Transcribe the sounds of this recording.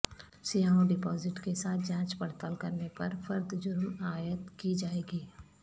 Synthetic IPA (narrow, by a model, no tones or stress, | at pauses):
sijaːũɖɪpɔːzɪʈkesaːt̪ʰd͡ʒãːt͡ʃpɐɽt̪əlkɐɾnepɐɾfɐɾd̪d͡ʒʊɾmaːjət̪kid͡ʒaːeːɡiː